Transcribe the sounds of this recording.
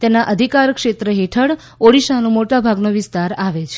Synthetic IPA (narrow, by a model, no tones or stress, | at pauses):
t̪enaʔəd̪ʱikaɾkʃet̪ɾəɦeʈʰəɽ | oɽiʃanõmoʈabʱaɡnoʋɪst̪aɾaʋet͡ʃʰ